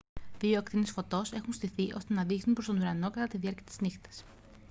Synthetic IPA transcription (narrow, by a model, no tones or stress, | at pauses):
ðioekt̪inesfo̞t̪o̞se̞xunst̪iθiʔo̞st̪e̞nɐðixnunpɾo̞st̪o̞nuɾɐno̞kɐt̪ɐt̪iðiɐɾciɐt̪iznixt̪ɐ̥s